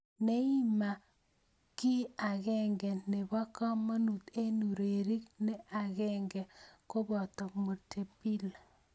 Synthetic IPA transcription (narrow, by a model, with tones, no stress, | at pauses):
ne˦i˦ma˨ | ki˦a˨ɣɛ˦ŋɡɛ˨ne˨ba˦kɔ˦mo˦nu˨t̪e˦nu˨ɾe˨ɾi˦kne˦a˨ɣɛ˦ŋɡɛ˨ko˦bɔ˨t̪ɔ˨mo˨tʰe˨pi˦l